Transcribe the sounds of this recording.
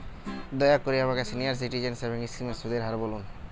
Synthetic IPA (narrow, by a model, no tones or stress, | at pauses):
d̪ɔjakːoɾieamakasʰinijaɾs̬iʈid͡ʑenseboŋisimesud̪eɾɦaɾbolun